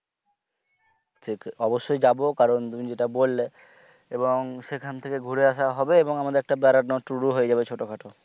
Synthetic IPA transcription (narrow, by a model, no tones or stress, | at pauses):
ʈʰikɔboʃːojd͡ʑabokaɾont̪umid͡ʑeʈabolːe | eboŋʃekʰant̪ʰekeɡʱuɾeaʃaɦɔbeeboŋamad̪eɾɛk̚ʈabɛɾanoʈɾuɾuɦojed͡ʑabet͡ɕʰoʈokʰaʈo